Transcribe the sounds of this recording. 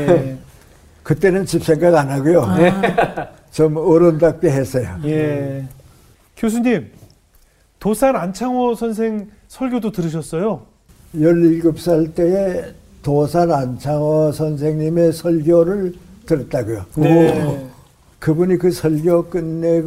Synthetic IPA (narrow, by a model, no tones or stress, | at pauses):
kɯt͈e̞nɯnt͡ɕip̚s͈ʰe̞ŋɡaɡanaɡujo | t͡ɕomʌɾondak̚p͈eɦes͈ʌjoe | kjos̬ʰuɲim | tosʰanant͡ɕʰaŋwʌsʰʌnsʰeŋ | sʰʌɭɡʲjodotɯɾɯɕ̬ʰʌs͈ʌjo | jʌɾːilɡɯp̚s͈aɭt͈eː | tosʰanant͡ɕʰaŋwʌsʰʌnsʰe̞ŋɲime̞sʰʌɭɡjoɾɯɭtɯɾʌt̚t͈aɡujo | kɯbuɲikɯsʰʌɭɡjok͈ɯnːeɡ